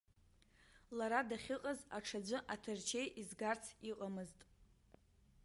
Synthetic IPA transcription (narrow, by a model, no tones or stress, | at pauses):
laɾadaχʲɪqʼazaʈ͡ʂʰad͡ʒʷɨʔatʰɨrt͡ʃʰe̞jʔizɡart͡sʰiqʼamɨztʼ